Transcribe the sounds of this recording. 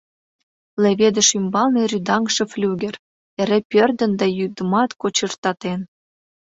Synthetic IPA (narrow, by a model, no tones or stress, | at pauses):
leβed̪ə̆ʃymbɑlneɾyd̪ɑŋʃĕflʲuɣʲĕr | eɾepʲørd̪ə̆nd̪ɑjyd̪əmɑt̪kot͡ɕərt̪ɑt̪en